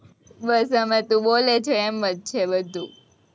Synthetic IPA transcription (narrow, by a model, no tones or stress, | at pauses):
bəsɦəmet̪ũbolet͡ʃʰeemʋət̪̚t͡ʃʰebəd̪ʱũ